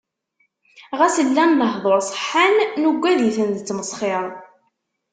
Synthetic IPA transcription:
ʁæsəlːænːəɦðˤoɾˤsˤə̥ħːanːuɡʷːæðiθənd̪ət͡sːməsˤχɪɾˤ

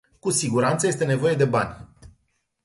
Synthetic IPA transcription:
kusiɡuɾant̪səje̞s̬t̪e̞ne̞vo̞je̞d̪e̞banʲ

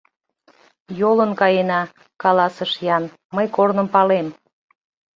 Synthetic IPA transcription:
jolənkɑjenɑ | kɑlɑsəʃjɑn | məjkornə̆mpɑlem

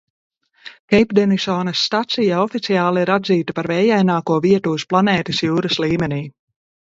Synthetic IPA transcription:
kɛjpd̪ɛnisɔːnɐsːt̪at̪sijaɔfit̪siaːlˠiiɾad̪ziːt̪apaɾvɛːjajnaːkuɔviɛt̪uːsplˠanɛːt̪isjuːɾɐsliːmʲɛniː

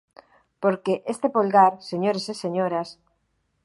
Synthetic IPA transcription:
poɾkeʔest̪epolɣaɾseɲoɾeseseɲoɾas

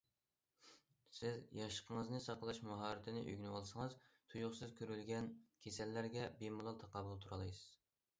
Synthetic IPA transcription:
sɪzjɑʃə̥qʰəŋəznɨsɑqəlˠɑʃmɑɦɑːɾɪt̪ʰɪnɪʔy̰ɡʲnɨwɑlˠsɨŋəzt̪ʰujʊχsɨzkʲʰøɾylɡʲɛnkʲʰesɛlːæɾɡʲɛbemulˠɑlˠt̪ʰɑqʰɑbulˠt̪ʰuɾɑlˠɨjsɨz̥

